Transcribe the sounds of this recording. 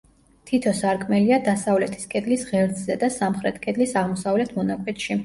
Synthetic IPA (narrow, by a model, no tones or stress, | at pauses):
t̪ʰit̪ʰɔsaɾkʰʼmɛliad̪asavlɛt̪ʰi̥skʼɛd̪lisʁɛɾd̪zzɛd̪asamχɾɛt̪ʰkʼɛd̪lisaʁmɔsavlɛt̪ʰmɔnakʼɛt̪ʃi